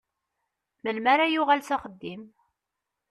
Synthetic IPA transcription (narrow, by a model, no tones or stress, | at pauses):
məlmaɾajʊʁælsæχəd̪ːim